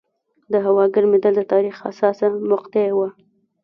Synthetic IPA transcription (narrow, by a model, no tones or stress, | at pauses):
d̪əɦawɑɡəɾmed̪ald̪ət̪ɑɾixa̰sɑsamʊqt̪ewa